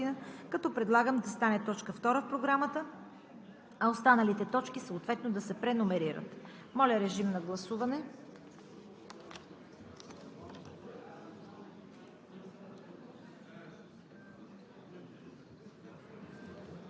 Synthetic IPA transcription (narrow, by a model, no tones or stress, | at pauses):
inəkɐt̪ɔpɾɛd̪lˠaɡəmd̪ɐst̪anɛt̪ɔt͡ʃkəft̪ɔɾəfpɾoɡɾamət̪ə | ɐost̪anɐlit̪ɛt̪ɔt͡ʃkisəot̪vɛt̪nod̪ɐsɛpɾɛnomɛɾiɾə̰t̪ | mɔlʲɐɾɛʒimnɐɡlˠɐsuvɐnɛ